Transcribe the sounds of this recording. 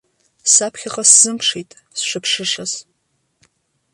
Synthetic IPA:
sapʰχʲaχaszɨmpʰʂijtʼ | sʃʷɨpʰʂɨʂaz

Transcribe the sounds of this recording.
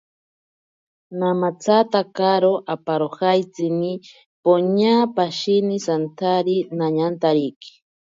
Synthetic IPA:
namat͡sat̪akaɾoʔapaɾoxajt͡sini | poɲaːpaʃinisant̪ʰaɾinaɲant̪aɾiki̥

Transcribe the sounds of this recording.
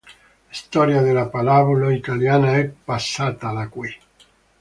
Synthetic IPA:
ist̪ɔɾjaðelapalaβulait̪aljanaɛpːasːat̪alakwi

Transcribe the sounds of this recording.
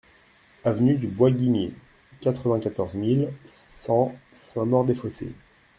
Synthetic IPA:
avnyd̪ybwaɡʲimjḛ | kat̪χəvɛ̃kat̪ɔʁzmilsɑ̃sɛ̃mɔʁd̪efosḛ

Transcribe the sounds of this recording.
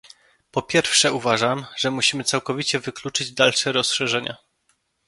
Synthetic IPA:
pɔpʲjɛɾfʂɛuvaʐamʐ̥ɛmuɕimɘt̪sawkɔvʲit͡ɕɛvɘklut͡ʂɘd͡ʑd̪alʂɛɾɔsʂɛʐɛɲa̰

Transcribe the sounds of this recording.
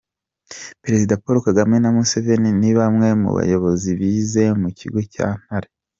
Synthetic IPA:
peɾe̞zidapoɾokaɡamŋe̞namuse̞ve̞niniβamŋe̞mṵβa̰jo̞βo̞ziβiːze̞mucḭɡo̞ca̰ːn̥haɾe

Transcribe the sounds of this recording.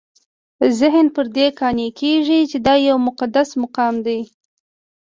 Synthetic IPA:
zɪɦnpəɾd̪ekɑnekʰeʐit͡ʃed̪ɑjawmʊqad̪asmʊqɑmd̪aj

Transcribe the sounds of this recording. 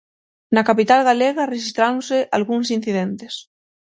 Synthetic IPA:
nakapit̪alɣaleɣareʃist̪ɾaw̃seʔalɣuŋs̬in̟θiðent̪es

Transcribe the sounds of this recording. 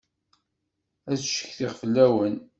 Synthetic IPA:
æðʃə̥çθiʁfəlːæwən

